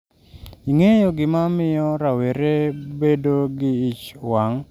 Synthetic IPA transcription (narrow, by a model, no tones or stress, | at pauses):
iŋejoɡɪmamɪjɔɾaweɾebedoɡɪit͡ʃwaŋ